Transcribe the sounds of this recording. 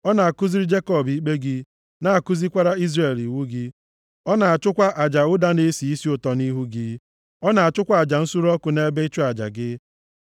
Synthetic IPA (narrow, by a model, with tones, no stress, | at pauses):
ɔ˦na˨a˨kʊ˦zi˦ɾi˦d͡ʒe˦kɔ˦˨bi˦k͡pe˦ɡɪ˦ | na˦a˨kʊ˦zi˦kʷa˦ɾa˦i˦zɾe˨li˨wu˦ɡɪ˦ | ɔ˦na˨a˨t͡ʃʊ˦kʷa˦ʔa˨d͡ʒa˨ʊ˦da˦ne˦si˨i˦si˦ʊ˦tɔ˨ni˦ɦu˦ɡɪ˦ | ɔ˦na˨a˨t͡ʃʊ˦kʷa˦˨a˨d͡ʒa˨n̩˦su˦ɾɔ˦kʊ˨ne˦be˦i˦t͡ʃʊ˦a˨d͡ʒa̰˨ɡɪ˦